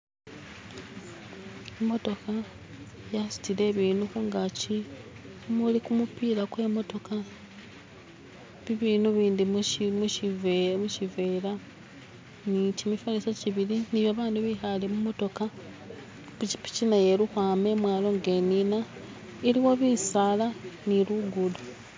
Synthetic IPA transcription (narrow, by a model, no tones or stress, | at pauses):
emo̞to̞ka | jasi̥tile̞ːβiːnuxuŋɡaci | mulikumupiːɾakwe̞mo̞to̞ka | βiβiːnuβiːndimimuʃiveɾa | nicimifalisaciβiɾiniβjaβaːnduβixalemumo̞to̞ka | puci̥pi̥cinaje̞luxwaːme̞mwaːlo̞ŋɡe̞ːnina | iliwo̞βisaːlaniluɡulu